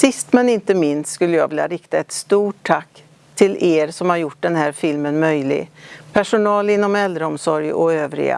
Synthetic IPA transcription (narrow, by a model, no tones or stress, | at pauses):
sɪst̪mɛnɪnt̪əmɪnst̪skɵlːəjɑ̰ːɡvɪlja̰ɾɪkt̪aɛt̪st̪uːʈʰːakː | t̪ʰɪlʔeːɾsɔmhaɾjʊʈ̚ːɖ̪ɛnɦæːɾfɪlmənmœjlɪ̰ɡpʰæʂʊnɑːlɪnːɔmɛld̪ɾəɔmsɔɾjɔøːvɾɪ̰ɡa̰